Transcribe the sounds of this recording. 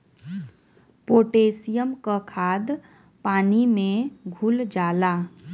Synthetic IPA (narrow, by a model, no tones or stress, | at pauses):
poʈesijəmkəkʰad̪ | paːnimẽɡʱuld͡ʒala